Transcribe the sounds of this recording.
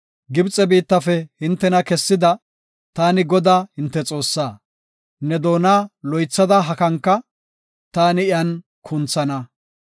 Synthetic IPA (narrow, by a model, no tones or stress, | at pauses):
ɡɪbt͡sʼɛbiːt̪ːɐfɛhɪnt̪ːɛnɐkɛsːɪd̪ɐ | t̪aːnɪɡɔd̪aːhɪnt̪ːɛt͡sʼo̞ːsːaː | nɛd̪o̞ːnaːlɔjt͡sːɐd̪ɐɦɐkɐŋkːɐ | t̪aːnɪɪjɐn | kʰʊnt͡sːɐnɐ